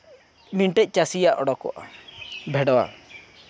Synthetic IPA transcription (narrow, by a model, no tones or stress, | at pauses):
miɳʈɛc̚ˀt͡ʃasijaʔɔɽɔkɔ̰ʔa̰bʱɛɽɔwa̰